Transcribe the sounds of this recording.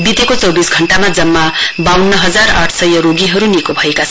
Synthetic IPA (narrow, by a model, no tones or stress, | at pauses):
b̪it̪ekot͡sʌwbisɡʱʌɳʈamad͡zʌmːabawnːʌɦʌd͡zara̰ʈʰsʌjʌɾoɡiɦʌɾunikobʱʌekat͡sʰ